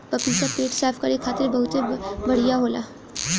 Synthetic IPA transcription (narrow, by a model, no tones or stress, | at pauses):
pɐpisapeːʈsaːfʰkɐɾekʰːaːt̪ɪɾbɐɦʊt̪ebɐɽ̤ijaɦoːlaː